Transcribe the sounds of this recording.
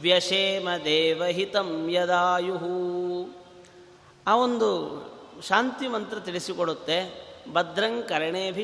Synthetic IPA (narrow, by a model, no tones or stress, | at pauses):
ʋjɐʃeːmɐd̪eːʋɐɦit̪ɐmjɐd̪aːjuɦu | aːond̪uʃaːnt̪imɐnt̪ɾɐt̪iɭisikoɽut̪ːebɐd̪ɾɐŋkɐɾɐɳeːɐbʱi